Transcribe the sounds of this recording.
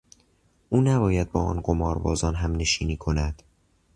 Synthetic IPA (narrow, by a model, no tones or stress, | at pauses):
ʔuːnæbɒːjæd̪̚bɒːɒ̰ːnɢo̞mɒːɾbɒːzɒːnɦæmne̞ʃiːniːkʰo̞næd̪̥